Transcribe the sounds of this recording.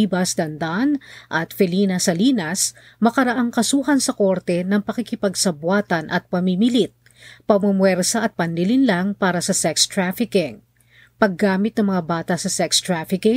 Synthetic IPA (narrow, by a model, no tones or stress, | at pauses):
ibɐsd̪ɐnd̪anʔɐt̪fɛliːnɐsɐliːnɐs | mɐkɐɾɐʔaŋkɐsuːɦɐnsɐko̞ɾt̪ɛnɐŋpɐkɪkɪpɐɡsɐbwaːt̪ɐnʔɐt̪̚pɐmimilit̪̚ | pɐmomwɛɾsɐʔɐt̪̚pɐnd̪ɪlɪnlaŋpaːɾɐsɐsɛkst̪ɹafɪkɪŋ | pɐɡaːmɪt̪̚nɐŋmɐŋabaːt̪ɐsɐsɛkst̪ɹafɪkɪ